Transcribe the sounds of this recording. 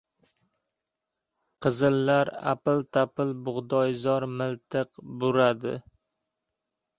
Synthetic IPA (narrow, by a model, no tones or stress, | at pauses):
qʰɨzɪlːaɾa̰pɪlt̪ʰapɪlbʊʁd̪ɒjzɒɾmɪlˠt̪ʰɨqbʊɾad̪ɪ̰